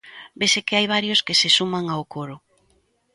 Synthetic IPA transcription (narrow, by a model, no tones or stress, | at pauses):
besekeajβaɾjoskesesumaŋaokoɾʊ